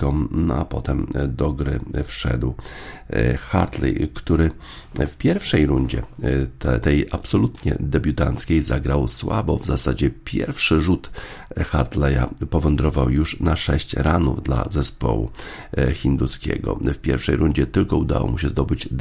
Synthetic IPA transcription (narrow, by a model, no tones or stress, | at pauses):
kɔmnɔapɔt̪ɛmd̪ɔɡɾɘfʂɛ̰d̪w | xa̰ɾt̪lɛ̰jkt̪uɾɘ | fpʲjɛɾfʂɛjɾuɲd͡ʑɛt̪ɛt̪ɛjʔapsɔlut̪ɲɛ̰d̪ɛbʲjut̪ant̪skʲejzaɡɾawswabɔvzasad͡ʑɛpʲjɛ̰ɾfʂɘʐut̪xaɾt̪lɛja̰pɔvɛnd̪ɾɔvawjuʂnaʂɛɕt͡ɕɾanuvd̪la̰zɛspɔ̰wṵ | xʲind̪uskʲɛ̰ɡɔ̰fpʲjɛ̰ɾfʂɛjɾuɲd͡ʑɛt̪ɘlkɔud̪a̰wɔ̰muɕɛzd̪ɔbɘd͡ʑd̪